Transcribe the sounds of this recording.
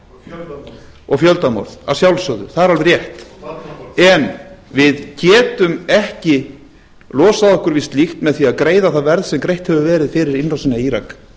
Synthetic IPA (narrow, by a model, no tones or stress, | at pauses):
ɔɣfjœlt̪amɔ̰ɾða̰sjawlsœːðʏ̰θaðɛɾalvɾjɛht̪ | ɛnvɪðcʰɛːt̪ʏmɛhcɪ | lɔːsaðɔhkʏɾvist̪lixt̪mɛðθiaðkɾeːjðaθaðvɛɾðsɛmkɾejht̪hɛvʏvɛːɾɪðfɪɾɪɾɪnrawsɪnːaiːɾa̰k